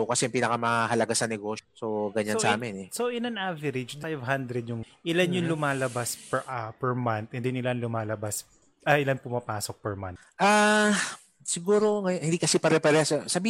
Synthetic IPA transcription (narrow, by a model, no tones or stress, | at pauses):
okɐsɛɐmpiːnɐkɐmɐɦɐlɐɡasɐnɛɡoʃosoɡɐɲaosa̰ːmɛnɛsoʔɪnɐnʔavɛɾɪd͡ʒd̪ajvɦand̪ɾɛd̪̚jʊŋ | ʔɪlanjʊŋlʊmaːlɐbaspɛʔapɛɹmant̪̚ʔɛnd̪ɪnɪlanlʊmaːlɐbas | ʔɐʔɪlanpʊmɐpaːsok̚pɛɹmant̪ʔa | sɪɡuːɾoŋɐjohɪnd̪iːkɐsipɐɾɛpɛɾɛsɛsɐbi